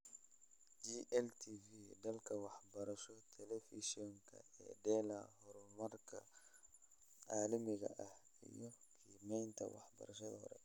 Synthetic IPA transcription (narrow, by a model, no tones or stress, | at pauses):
d͡ʒiʔɛlt̪ʰivid̪ɐlkʰɐwɑħbɐɾɐʃɔt̪ʰɛlɛfiʃiɔŋkʰɐ̰ɛ̰ːd̪ɛːlɐhɔɾɔmɐrkʰɐ | aːlɐmɪɣɐ̰ʔɐh | ḭjɔkʰiːmɛjnt̪ʰɐ̰wɑ̰ħbɐ̰ɾɐʃɐðɐ̰hɔ̰ɾɛ̰